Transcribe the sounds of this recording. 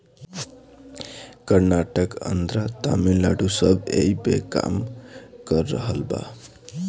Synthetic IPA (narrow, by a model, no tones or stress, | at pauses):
kʌɾnaʈʌkʌ̰nd̪ɾat̪amilaɽusʌbḛjbeka̰mɡ̥ʌrːʌɦʌlba̰